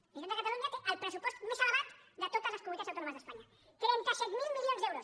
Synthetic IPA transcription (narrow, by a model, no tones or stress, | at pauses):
eʃẽnakat̪aluɲakeʔalpɾesupost̪umesaleɣat̪d̪ɪt̪oðɐsɐskomuiasawt̪onõmɐzðespaɲɐ | t̪ɾĩnt̪asɛt̪milmiʎonzðewɾʊs